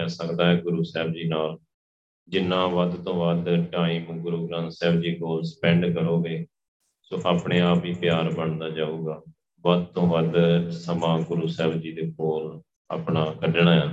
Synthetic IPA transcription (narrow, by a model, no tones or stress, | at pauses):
aːsəkd̪aːɦɛːɡʊɾuːsɛːbd͡ʒiːnaːl | d͡ʒɪnːãːʋəd̪t̪õːʋəd̪ʈãːĩːm̃ɡʊɾuːɡɾãːnt̪sɛːbd͡ʒiːkoːlsə̥pɛ̃ːɳɖkəɾoːɡeː | sõːʔaːpɳeːaːpiːpjaːɾbəɳd̪aːd͡ʒaːuːɡaː | ʋəd̪̚t̪õːʋəd̪səmãːɡʊɾuːsɛːbd͡ʒiːd̪eːkoːl | a̰ːpɳaːkəɖɳaːjãː